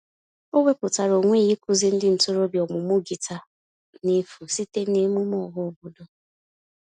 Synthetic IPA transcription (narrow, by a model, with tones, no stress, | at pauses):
o˦we˦pʊ˨ta˨ɾo˨ŋʷe˦˨ji˦kʊ˦zi˦n̩˦dɪ˦n̩˨tʊ˦ɾo˦bjɔ˨mʊ˨mo˦ɡi˨ta˨ | ne˦fu˨si˦te˦ne˦mu˦mɔ˦˨ɦʊ˦o˨bo˨do˦